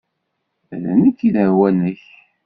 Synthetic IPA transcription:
næ̰nəkːinəɾwænəç

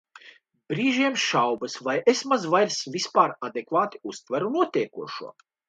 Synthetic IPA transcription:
b̥ɾiːʒiɛmʃawbɐsvajʔesmazvajɾsvʲispaːɾad̪ekvaːt̪i̥ust̪væɾunuɔt̪ʲiɛkuɔʃṵɔ

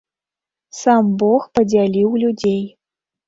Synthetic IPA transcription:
sambɔxpɐd͡zʲalʲiwlʲud͡zʲej

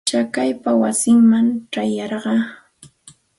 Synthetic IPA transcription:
t͡ʃakajpawasɪŋmaŋʈ͡ʂajɑɾɢɑ

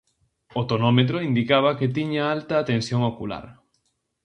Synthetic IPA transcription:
ot̪onɔmet̪̬ɾoind̪ikaβ̞ɐket̪iɲaalt̪ɐːt̪ensjoŋokula̰ɾ

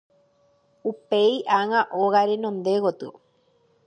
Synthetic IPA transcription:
upeiʔaŋãʔoɣaɾenõnd̪eɣot̪ɨo̰

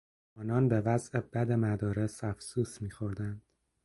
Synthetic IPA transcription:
ɒːnɒːnbe̞væzʔe̞bæd̪e̞mæd̪ɒːɾe̞sæfsuːsmiːxoɾd̪ænd̪̥

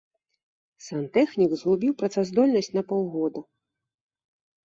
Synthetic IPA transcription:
sant̪ɛxnʲikzɣubʲiwpɾɐt̪sazd̪ɔlʲnɐsʲt͡sʲnɐpɔwˠɣɔd̪ɐ

